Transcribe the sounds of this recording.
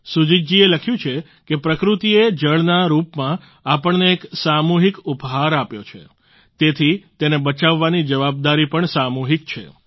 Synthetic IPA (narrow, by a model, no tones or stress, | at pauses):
sud͡ʒid͡ʒd͡ʒieləkʰjũt͡ʃʰe | kepɾəkɾut̪ied͡ʒəɭnaɾupmã | apəɳneːksamuɦikupɦaɾapjot͡ʃʰḛ | t̪et̪ʰit̪enebət͡ʃaʋːanid͡ʒəʋab̚d̪aɾipəɳsamuɦik̚t͡ʃʰḛ